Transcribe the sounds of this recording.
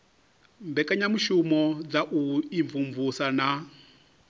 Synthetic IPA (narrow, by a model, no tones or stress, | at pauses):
mbɛkʼaɲamuʃumɔd͡zaʔuiɱvuɱvusana